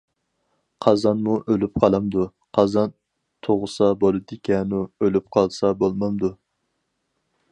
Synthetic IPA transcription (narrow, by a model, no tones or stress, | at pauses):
qʰɑzɑnmuʔølyp̚qʰɑlˠɑmd̪u | qʰɑzɑn | t̪ʰoʁʊsɑbolˠɨd̪ɪkʲʰɛnuølyp̚qʰɑlˠsɑbolˠmɑmd̪u